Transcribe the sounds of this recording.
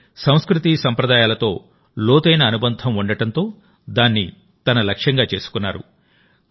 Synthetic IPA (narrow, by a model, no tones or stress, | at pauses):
sɐw̃skɾut̪isɐmpɾɐd̪aːjaːlɐt̪o̞ː | loːt̪ɐjnɐːnubɐnd̪ʱɐmuɳɖɐʈɐnt̪o̞ː | d̪aːnːi | t̪ɐnɐlɐkʂjɐŋɡaːt͡ʃe̞ːsu̥kunːa̰ːɾṵ